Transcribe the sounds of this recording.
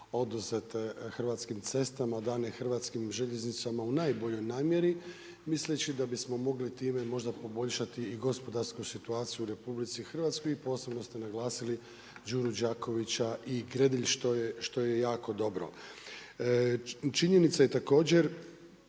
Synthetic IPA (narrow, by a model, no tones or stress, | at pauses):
o̞d̪uzet̪xr̩ʋat̪skimt̪se̞st̪amad̪aːnexrʋat̪skimʒe̞ʎe̞znit̪samaunaːjbo̞ʎo̞jnaːmje̞ɾi | mislet͡ɕid̪abismo̞mo̞ɡlit̪iːme̞mo̞ʒd̪apo̞bo̞ʎʲʃat̪iiɡo̞spo̞d̪aɾskusit̪uaːt̪sijuɾe̞publit̪sixr̩ʋat̪sko̞jipo̞ːse̞bno̞st̪e̞naɡlˠaːsili | d͡ʒuːɾud͡ʑaːko̞ʋit͡ɕaʔiɡɾed̪iʎʃt̪ojeʃt̪o̞jejaːko̞d̪o̞bɾo̞̰ | t͡ʃiɲe̞nit̪saje̞t̪ako̞ːd͡ʑe̞ɾ